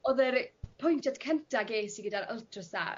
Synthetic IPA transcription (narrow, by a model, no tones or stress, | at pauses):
ɔðəɾpʰʊjntʰjadkʰəntʰaɡeːsiɡədaɾəlˠtʰrəsa̰